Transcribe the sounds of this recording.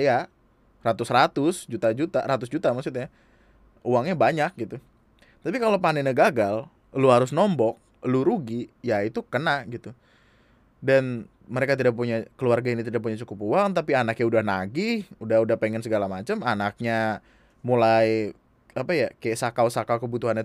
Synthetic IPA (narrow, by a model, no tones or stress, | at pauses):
ja | rat̪ʊsrat̪ʊsd͡ʒut̪ad͡ʒut̪aɾat̪ʊsd͡ʒut̪amasit̪ɲa | uwaŋɲabaɲak̚ɡit̪u | t̪apikalopanɛnəɡaɡal | luɦaɾʊsnɔmbɔk̚ | luɾuɡijait̪ukənaʔɡit̪u | dan | məɾekat̪idak̚puɲakəluarɡainit̪idak̚puɲat͡ʃukʊpuaŋt̪apianakɲaudahnaɡihudaudahpeŋɛnsəɡalamat͡ʃəmanak̚ɲa | mulaj | apajakajaʔsakawsakawkəbut̪uɦana